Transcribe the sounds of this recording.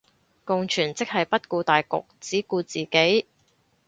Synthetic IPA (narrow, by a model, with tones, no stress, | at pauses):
kʊ˨ŋt͡ʃʰyː˨˩nt͡sɪ˥k̚hɐ˨jpɐ˥t̚kuː˧t̪aː˨jkʊ̰˨k̚t͡siː˨˥kuː˧t͡siː˨˩ke˨˥j